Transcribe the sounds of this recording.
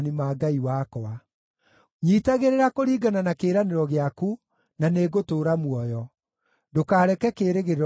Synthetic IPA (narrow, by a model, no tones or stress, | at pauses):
nimaːɡaiwaːkɔa | ɲiːtaɣeɾeɾakoɾiːɡananakeːɾaneɾɔɣeaku | naneɣotoːɾamwɔjɔ | dokaːɾɛkɛkeɾeɣeɾ